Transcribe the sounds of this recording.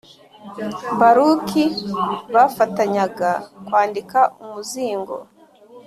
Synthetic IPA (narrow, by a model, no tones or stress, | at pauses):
mbaɾukʰiβafataɲaɡakwaːndikaʔumuziːŋɡo̞̰